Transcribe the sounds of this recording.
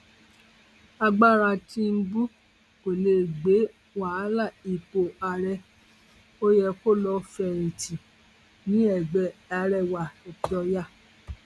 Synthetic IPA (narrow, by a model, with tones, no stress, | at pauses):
a˧ɡ͡ba˦˨ɾa˧tĩ˧˦m̩˦bu˦ | ko˨le˧˨ɡ͡be˨˦ | wa˨˦la˦˨i˨k͡po˧a˧ɾɛ˧ | o˦jɛ˧ko˦˨lɔ˧fɛ˧˨ɾĩ˨tĩ˨ | nĩ˨˦ɛ˨ɡ͡bɛ˨a˧ɾɛ˧˨wa˨ɛ˨ɔ˧ja˦˨